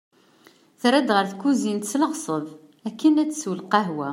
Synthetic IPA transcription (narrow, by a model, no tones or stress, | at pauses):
θɾæd̪ʁəɾθkuzint̪t͡sːləʁsˤəðˤ | ækːənæt͡sːswəlqæɦwæ